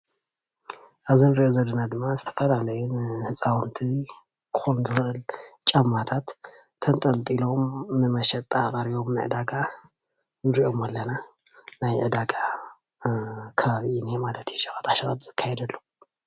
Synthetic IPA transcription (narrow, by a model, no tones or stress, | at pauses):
ʔaβzinɨɾiʔozɐdɐnad̪ɨmːazɨt̪ʰɐ̥fɐlalɐjunɨhɨsʼawɨnt̪ʰi | kʰɨ̥xonzɨxɨʔɨlt͡ʃʼamːat̪ʰat̪ʰː | ɐnt̪ʼɐlt̪ʼilo̞mnɨmɐʃɐt̪ʼt̪ʼːakʼɐɾiβo̞mnɨʕɨ̰d̪aɡa | nɨɾiʔo̞malːɐna | najʕɨd̪aɡa | kʰɐβaβiʔinemalɐt̪ʰjuʃɐxʼat̪aʃɐɾʼat̪z̥ɨkʰːajɛd̪ɐlːo